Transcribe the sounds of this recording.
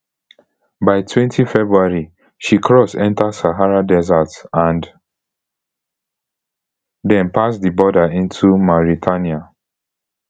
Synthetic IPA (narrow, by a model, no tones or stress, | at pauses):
baɪtʰwɛ̃ntʰifɛbɹuaɹi | ʃikʰɹɔsɛ̃ntasaɦaɹadɛzatãnd | dɛ̃npʰasdibɔdaĩntʰumɔɹitʰania